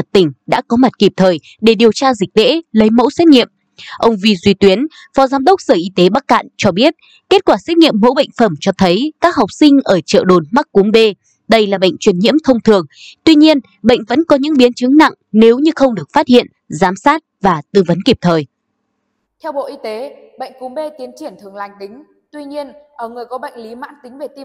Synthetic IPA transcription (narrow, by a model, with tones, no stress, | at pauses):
ə˨˩t̚t̪ï˧˩ŋ̟ɗa̰ː˧˥kɔ˨˦ma˨˩t̚ki˨˩p̚t̪ʰəː˨˩j | ɗe˧˩ɗi˨˩əwt͡ɕaː˧zï˨˩k̟̚ɗḛ˧˥lə˨˦jmo̰˧˥sɛ˦˥t̚ŋḭ˧˨əm | ʔə˧wŋ͡mvi˧zwi˧t̪wi˨˦ən | fɔ˨˦zaː˨˦mɗə˦˥wk͡p̚səː˧˩ʔi˧t̪e˨˦ɓa˦˥k̚ːa̰˧˨nt͡ɕɔ˧ɓi˦˥ət̚ | ke˦˥t̚kwaː˧˩sɛ˦˥t̚ŋḭ˧˨əmːo̰˧˥ɓə̰˧˨jŋ̟fə˧˩mt͡ɕɔ˧t̪ʰə˨˦jkaː˦˥k̚ɦa˨˩wk͡p̚sï˧ŋ̟ʔəː˧˩t͡ɕə̰ː˧˨ɗo˨˩nma˦˥k̚ku˨˦əmɓe˧ | ɗə˧jlaː˨˩ɓə̰˧˨jŋ̟t͡ɕwi˧˩ənɲḭ˧˥əmt̪ʰə˧wŋ͡mt̪ʰɨ˨˩əŋt̪wi˧ɲi˧ən | ɓə̰˧˨jŋ̟və̰˧˥nkɔ˨˦ɲɨ̰˧˥ŋɓi˨˦ənt͡ɕɨ˨˦ŋna̰˧˨ŋne˨˦wɲɨ˧xə˧wŋ͡mɗɨ˨˩ək̚faː˦˥t̚hḭ˧˨ən | zaː˨˦msaː˦˥t̚vaː˨˩t̪ɨ˧˩və˨˦nki˨˩p̚t̪ʰəː˨˩j | t̪ʰɛ˧wɓo̰˧˨ʔi˧t̪e˨˦ | ɓə̰˧˨jŋ̟ku˨˦mɓe˧t̪i˨˦ənt͡ɕi˧˩ənt̪ʰɨ˨˩əŋla˨˩jŋ̟ɗ̪ï˨˦ŋ̟ | t̪wi˧ɲi˧ənʔəː˧˩ŋɨ˨˩əjkɔ˨˦ɓə̰˧˨jŋ̟li˨˦ma̰ː˧˥nt̪ï˨˦ŋve˨˩t̪i˧